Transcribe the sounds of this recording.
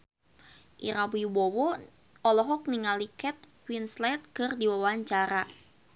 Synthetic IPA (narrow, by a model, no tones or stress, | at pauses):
ʔiɾawibɔwɔ | ɔlɔɦɔk̚niŋalikɛt̪̚fwinslat̪̚kɨrdiwawaɲt͡ʃaɾa